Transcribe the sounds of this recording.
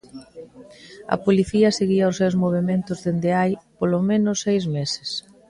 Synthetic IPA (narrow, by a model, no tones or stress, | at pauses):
ɐ̰poliθiɐseɣiɐʊsewzmoβ̞emẽnt̪ʊzðend̪ɪajpolomẽnʊsːejzmesɪ̥s